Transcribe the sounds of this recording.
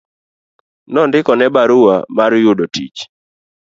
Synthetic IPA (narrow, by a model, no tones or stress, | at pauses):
nɔndɪkɔnɛbaɾuwamaɾjʊdotit͡ʃ